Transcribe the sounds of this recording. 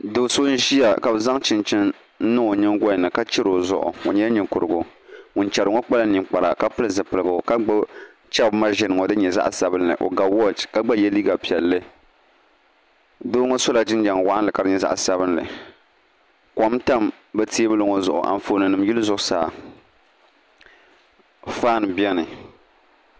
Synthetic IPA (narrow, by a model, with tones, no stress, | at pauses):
do˨so˦n̩˦ʒi˦ja˨ka˨bza˦ŋt͡ʃɪ˨nt͡ʃɪ˦n̩˦ | nɨ˦o˨ɲɨ˦ŋɡa˦˨nɨ˨ka˦t͡ʃɪ˦ɾo˨zʊ̰˨ʔʊ̰˨o̰˨ɲɛ˦ɲi˨kʊ˨ɾɨ˨ɡʊ˨ŋʊ˨n˦t͡ʃɛ˨ɾɨ˨ŋo˦k͡pa˦la˦ni˨ŋk͡pa˨ɾa̰˨ka˦pɨ˦lɨ˨zɨ˨pɨ˨lɨ˨ɡa˨ka˦ɡ͡ba˦ | t͡ʃɛ˦bma˦ʒɪ˨nɨ˨ŋo˨dɨ˦ɲɛ˨za̰˦ʔsa˦bɨ˦nːɨ̰˨ʔo̰˨ɡa˨wɔ˦d͡ʒka˦ɡ͡ba˦jɛ˦li˦ɡa˨pi˨ɛ˨lːɨ˦ | doː˦ŋo˦so˦la˨d͡ʒɪ˦nd͡ʒa˨ŋ˨wa˦ʔa˦lɨ˨ka˨ɾɨ˦ɲɛ˨za̰˦ʔsa˦bɨ˦nlɨ̰˨ | kɔ˨˦mta˦m | bɛ˦ti˦e˦bɨ˦lo˨ŋo˨zʊ˨ʔʊ̰˨ʔa̰˨n˨fo˨nɨ˨nɨ˨m˦ji˦lɨ˦zʊ˨ʔʊ˨saː˨ | faː˦˨nbɛ˦nɨ˨